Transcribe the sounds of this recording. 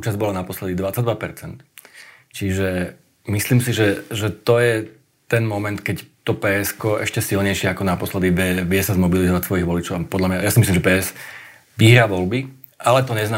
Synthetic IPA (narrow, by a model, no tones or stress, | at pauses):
ut͡ʃazbɔlanapɔslɛd̪id̪ʋat͡saɟd̪ʋapɛɾt͡sɛnt̪ | t͡ʃiʒɛ | misliːmsiʒɛʒɛt̪ɔjɛ | t̪ɛnmɔmɛnt̪kɛct̪ɔpɛɛskɔɛ̰ʃcɛsilɲɛjʃɪɛakɔnapɔslɛd̪iʋɛʋɪɛsazmɔbilizɔʋacsʋɔjiɣʋɔlit͡ʃɔʊpɔd̪lamɲajasimislimʒɛpɛːɛs | ʋiɦɾaːʋɔlbi | ʔalɛt̪ɔɲɛznaː